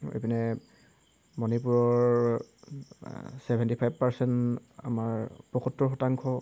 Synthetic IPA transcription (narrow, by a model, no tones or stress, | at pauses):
ḛpinɛ | mɔnipuɹɔɹ | sɛbʱɛntipʰajb̚paɹsɛnta̰maɹpɹɔkɔtɹɔɹxɔtaŋkʰɔ